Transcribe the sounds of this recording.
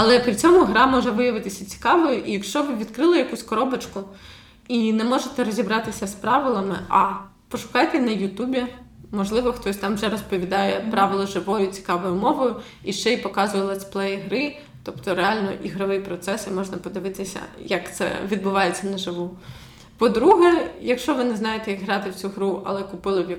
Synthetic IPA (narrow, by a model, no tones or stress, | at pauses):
ɐlˠɛpɾʲit͡sʲɔmʊɦɾɑmɔʒɛʋɪjɐʋɪt̪ɪsʲɐt͡sʲi̥kɑʋɔjʊʔijɐkʃt͡ʃɔʋɪʋʲid̪kɾɪlˠɐjɐkusʲkɔɾɔbɐt͡ʃkʊ | inɛmɔʒet̪ɛɾɔzʲibɾɑt̪ɪsʲɐspɾɑʋɪlˠɐmɪʔɐ | pɔʃʊ̥kɑjt̪ɛnɐjʊt̪ubʲimɔʒlˠɪʋɔxt̪ɔsʲt̪ɑmʒɛɾɔspɔʋʲid̪ɑjɛpɾɑʋɪlˠɔʒɪʋɔjʊt͡sʲi̥kɑʋɔjʊmɔʋɔjʊ | iʃt͡ʃɛjipɔkɑzʊjɛlˠɛt̪splˠɛjɦɾɪ | t̪ɔpt̪ɔɾealʲnɔ̰ʔiɦɾɔʋɪjpɾɔt̪sɛsimɔʒnɐpɔd̪ɪʋɪt̪ɪsʲɐ̰jɐkt̪sɛ̰ʋʲid̪̚bʊʋɑjet͡sʲːɐnɐʒɪʋu | pɔd̪ɾuɦɛjɐkʃt͡ʃɔʋɪnɛznɑjet̪ɛjɐɡɦɾɑt̪ɪwt͡sʲuɦɾuʔɐ̰lˠɛkʊpɪlˠɪwjɐ